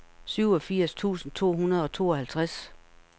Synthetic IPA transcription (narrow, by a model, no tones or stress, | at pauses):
syʊɒ̽fiɐ̰st͡sʰṵːsn̩t͡sʰo̝̰ːɦunɐð̞̩ˠɒ̽t͡sʰo̝̰ːɒ̽hælt͡sʰʁas